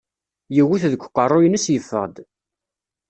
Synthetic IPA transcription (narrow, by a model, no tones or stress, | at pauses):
jiwiθðəkʷːqːərˤːʊjənəsjəfːə̰ʁd̪